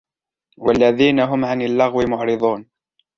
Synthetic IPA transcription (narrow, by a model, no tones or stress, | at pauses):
walːaðiːnaɦʊmʕanalːɑɣwɪmʊʕɾɨd̪ˤuːn